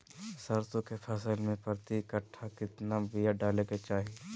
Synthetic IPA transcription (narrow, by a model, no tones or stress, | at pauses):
sɐɾsõkepʰɛsəlmẽpɾət̪ikəʈʰːakɪt̪nabijaɖaːleket͡ʃaːɦie